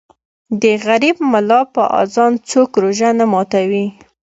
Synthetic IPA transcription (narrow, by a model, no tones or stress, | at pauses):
d̪əɣaɾibmalɑpəʔɑ̰zɑnt͡sokɾoʒanamɑt̪awi